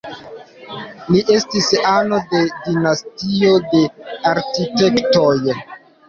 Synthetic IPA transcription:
liʔe̞stisano̞de̞dinastio̞de̞aɾkite̞ktoj

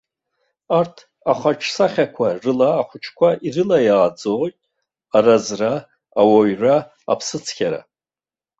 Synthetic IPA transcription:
artʰ | aχaʈ͡ʂʰsaχʲakʷʰarɨlaːχʷʊt͡ʃʰkʷaʔirɨlajaːd͡zotʼ | arazraː | waɥra | a̰pʰsɨt͡sʰkʲʰaɾa̰

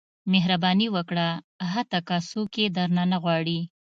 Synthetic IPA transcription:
meɦɾabɑniwəkɽa | ɦat̪akasoked̪aɾnanaɣwɑɽi

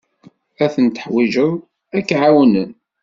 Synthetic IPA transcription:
æθənt̪ə̥ħwiʒəð | ækːʕawnən

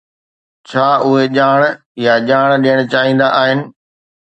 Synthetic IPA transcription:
t͡ɕʰaːʊɦeʄaːɽ̃ | jaʄaːɽ̃ɗijəɽ̃t͡ɕaːɦĩːn̆d̪aʔaːɦɪnɪ̆

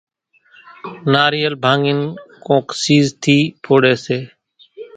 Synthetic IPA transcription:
naːɾiːəlbʱãːŋɡɪnkõːksiːzt̪ʰiːpʰoːɽeːseː

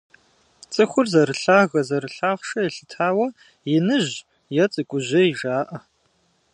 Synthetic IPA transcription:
t͡sʼɨxʷʊrzɐɾɨɬaːɣɐzɐɾɨɬaːχʷʂɐjɛɬɨtʰaːwɐ | jɪnɨʑ | jɛt͡sʼɨkʷʼʊʑɐiʒaːʔɐ

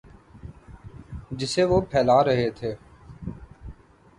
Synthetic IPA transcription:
d͡ʒɪseʋopʰɛːlaːɾɐɦet̪ʰeː

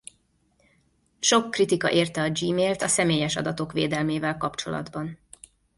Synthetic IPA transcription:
ʃo̞kːrit̪ikɒ̰ʔeːrt̪ɛɒd͡ʒiːmeːlt̪ɒsɛmeːjɛʃɒ̰d̪ɒt̪o̞kʋḛːd̪ɛlmeːvɛlkɒpt͡ʃo̞̰lɒ̰d̪bɒn

